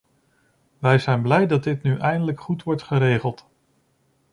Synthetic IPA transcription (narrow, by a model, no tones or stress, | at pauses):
ʋɛjzɛjnblɛjdɑt̚dɪtnyʔɛjndələkχutʋɔɹtχəɾejχəlˠt